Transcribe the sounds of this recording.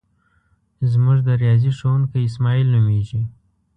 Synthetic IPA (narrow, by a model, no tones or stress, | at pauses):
zmuʐd̪əɾijɑziʂowunkəjɪs̬mɑilnumeʒi